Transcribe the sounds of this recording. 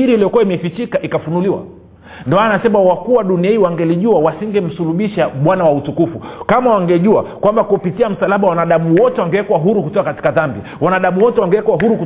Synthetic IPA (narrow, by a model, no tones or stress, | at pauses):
iɾiliɔkuwaimɛfit͡ʃikaʔikafunuliwa̰ | ndɔmaanasɛmawakuwaɗuniahiwaŋɡɛliʄuawasiŋɡɛm̩suluɓiʃaɓwanawautukufukamawaŋɡɛʄuakwambakupitiam̩salaɓawanaɗaɓuwɔtɛwaŋɡɛwɛkwaɦuɾukutɔkakati̥kaðambi | wanaɗaɓuwɔtɛwaŋɡɛwɛkwaɦuɾuku